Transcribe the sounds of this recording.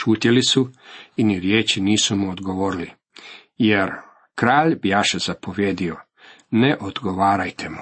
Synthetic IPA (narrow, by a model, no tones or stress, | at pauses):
ʃuːt̪jelisuiniɾjeːt͡ʃiniːsumuod̪ɡoʋoːɾili | jeɾ | kɾaːʎbijaːʃezapo̞ʋjeːd̪io | neʔod̪ɡo̞ʋaːɾajt̪ʰemu